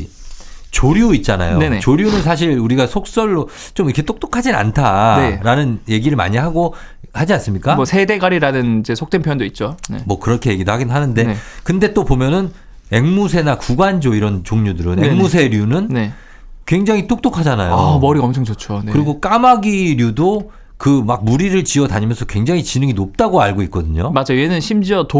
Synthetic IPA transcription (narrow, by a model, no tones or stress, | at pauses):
t͡ɕoɾjuit̚t͡ɕ͈ana̰jo̰enet͡ɕoɾjunɯnsʰaɕ̬ʰiɭuɾiɡasʰok̚s͈ʌɭːo | t͡ɕomiɾkʰe̞t͈ok̚t͈okʰad͡ʑina̰ntʰaeɾanɯnje̞ɡiɾɯɭma̰ɲiaɡo | had͡ʑians͈ɯmɲik͈amʌsʰe̞de̞ɡaɾiɾanɯnid͡ʑe̞sʰok̚t͈enpʰjʌndoit̚t͡ɕ͈oḛmwʌkɯɾʌkʰe̞je̞ɡidohaɡidoɦanɯnde̞kɯnde̞t͈opomjʌnɯn | e̞ŋmusʰe̞nakuɡwand͡ʑoiɾʌnt͡ɕoŋɲudɯɾɯneŋmus̬ʰe̞ɾjunɯnne | kwe̞ŋd͡ʑaŋit͈ok̚t͈okʰad͡ʑana̰jo̰mʌɾiʌmt͡ɕʰʌŋt͡ɕʌt͡ɕʰonekɯɾiɡok͈amaɡiɾjudo | kɯmak̚muɾiɾɯɭt͡ɕiʌtaɲimjʌnsʰʌkwe̞ŋd͡ʑaŋit͡ɕinɯŋinop̚t͈aɡoaɭɡoik̚k͈ʌdɯɲomad͡ʑaenɯnɕʰimd͡ʑiʌto